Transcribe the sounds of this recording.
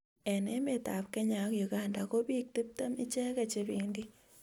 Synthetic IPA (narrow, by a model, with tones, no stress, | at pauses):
ɛ˨ne˦me˨ta̰˨p̚kɛ˦ɲa˨kju˨ɡanda˨ko˦bi˦k̚te˦p̚ta˦mɪ˦t͡ʃɛ˦ka˨t͡ʃe˦biː˦ndi˦